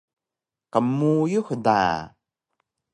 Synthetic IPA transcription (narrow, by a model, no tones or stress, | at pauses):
kamujuxda̰